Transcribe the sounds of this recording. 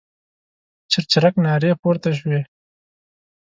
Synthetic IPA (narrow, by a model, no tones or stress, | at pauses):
t͡ʃɪɾt͡ʃɪɾaknɑːɾeːpoːɾt̪aʃ̬weː